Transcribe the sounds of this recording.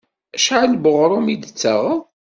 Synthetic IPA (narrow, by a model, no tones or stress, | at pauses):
æʃʕalbəʁɾˤumid̪ət͡sːəʁ